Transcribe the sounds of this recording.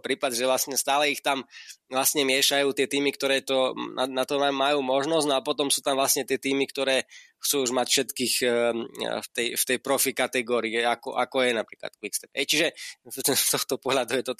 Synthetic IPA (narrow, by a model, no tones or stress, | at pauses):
pɾiːpad̪ʒɛʋlasɲɛst̪aːlɛixt̪amvlasɲɛmɪɛʃajuːt̪ɪɛt̪iːmikt̪ɔɾɛːt̪ɔna̰nat̪ɔmamajuːmɔʒnɔznɔap̬ɔt̪ɔmsuːt̪amvlasɲɛt̪ɪɛt̪iːmikt̪ɔɾɛːxt͡suːuʒmacfʃɛt̪kiːx | ft̪ɛjft̪ɛjpɾɔfikat̪ɛɡɔːɾiɛakɔ̰ʔa̰kɔjɛnapɾiːkla̰t̪kʋikst̪ɛpɦɛjt͡ʃiʒɛt̪ɛft̪ɔxt̪ɔpɔɦlad̪ujɛt̪ɔ